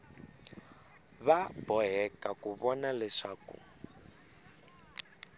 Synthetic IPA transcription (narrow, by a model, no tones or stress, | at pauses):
βab̥ɔɦɛkakuβɔnalɛʂaːkṵ